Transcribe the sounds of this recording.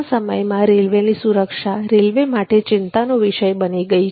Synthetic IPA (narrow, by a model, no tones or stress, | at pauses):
səməjmãɾelʋenisuɾəkʃaɾelʋemaʈet͡ʃɪnt̪anoʋɪʃəjbəniɡəi